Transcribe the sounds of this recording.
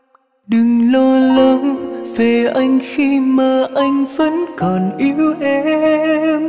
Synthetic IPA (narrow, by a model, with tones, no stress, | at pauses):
ɗɨ˨˩ŋlɔ˧lə˨˦ŋv̥e˨˩ʔa˧jŋ̟xi˧maː˨˩ʔa˧jŋ̟və̰˧˥nkɔ˨˩nʔi˨˦wʔɛ˧ | m